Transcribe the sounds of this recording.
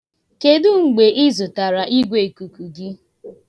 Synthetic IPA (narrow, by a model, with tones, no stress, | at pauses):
ke˨dʊ˦ŋ̩˨ɡ͡be˨ʔi˦zʊ˨ta˨ɾa˨ʔi˦ɡʷe˨ku˨ku˨ɡɪ˦